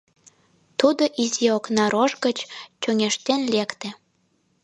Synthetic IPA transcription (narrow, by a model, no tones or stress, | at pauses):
t̪ud̪oʔizeoknɑɾoʒɡət͡ɕt͡ɕoŋeʃt̪enlekt̪ĕ